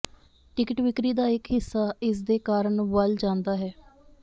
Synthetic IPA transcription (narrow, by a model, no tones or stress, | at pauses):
ʈɪkɪʈʋɪkɾiːd̪aːɪkɦɪsːaːɪs̬d̪eːkaːɾəɳʋəld͡ʒãːnd̪aːɦɛː